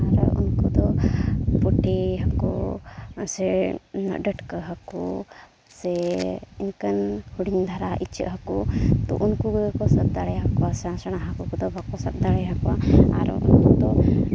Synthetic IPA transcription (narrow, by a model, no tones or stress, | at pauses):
aɾṵnkud̪ɔpuʈʰiɦəku | sɛnə̰ʔɖəʈkəɦəku | sɛinkənhuɽiŋd̪ʱaɾaʔit͡ʃə̰ʔɦəkut̪ɔ̰ʔunkuɡkɔsəb̚d̪aɽɛɦakɔwasãsəɽ̃aɦakukɔd̪ɔbakɔsəb̚d̪aɽɛɦakɔwaa̰ɾ̰ṵnkud̪ɔ